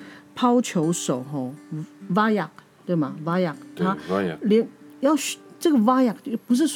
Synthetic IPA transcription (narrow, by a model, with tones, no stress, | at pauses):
pʰɑ˥ʊt͡ɕʰjo˧˥ʊʂo˨˩ʊɦɔ˥˧˩wa˥ja˥˨˩k̚ | t̪we˥˩ɪba˨˩wa˥ja˥˩k̚t̪ʰa˥˦ljɛ˧˥ŋjɑ˥˩ʊɕʈ͡ʂɤ˥˩ɡə˨˩wa˥ja˥˨˩k̚pu˧˥ʂ̬ɻ̩˥˩s